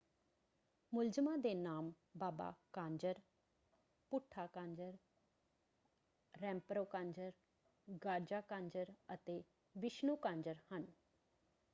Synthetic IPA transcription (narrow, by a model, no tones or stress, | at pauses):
mʊld͡ʒəmãːd̪eːnaːm | baːba̰ːkãːɲd͡ʒəɾ | pʊʈʰːaːkãːɲd͡ʒəɾ | ɾɛ̃ːmpɾoːkãːɲd͡ʒəɾ | ɡaːɾd͡ʒaːkãːɲd͡ʒəɾət̪eː | ʋɪʃnuːkãːɲd͡ʒəɾhən